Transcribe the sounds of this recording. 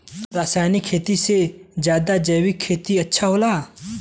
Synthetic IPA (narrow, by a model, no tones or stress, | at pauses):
ɾaːsaːjnikʰːeːt̪ised͡ʒjaːd̪ad͡ʒəjwɪkʰːeːt̪iɐtːʃʰaɦoːlaː